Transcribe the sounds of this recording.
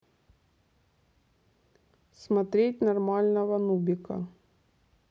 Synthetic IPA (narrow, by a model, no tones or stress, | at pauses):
smɐt̪ɾʲetʲnɐrmɑlʲnɐʋɐnubʲɪkɐ̰